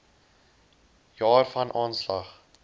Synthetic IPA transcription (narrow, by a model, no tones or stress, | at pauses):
jɑːrfɐnʔɑːnslɐχ